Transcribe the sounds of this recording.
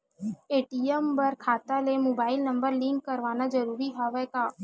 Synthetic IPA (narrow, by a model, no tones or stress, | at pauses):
eːʈiəmbəɾkʰaːt̪alemoːbaːɪlnə̃mbəɾlĩŋkkəɾʋaːnad͡ʒəɾuːɾiɦaʋɛkaː